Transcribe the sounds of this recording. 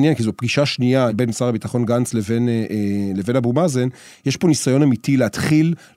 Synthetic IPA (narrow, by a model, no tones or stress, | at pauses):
njenkizopɡiʃaʃniabenmisaʁabitaχo̞nɡant͡sleveneeleve̞nabumazen | jeʃpo̞nisajo̞namitileat̪χil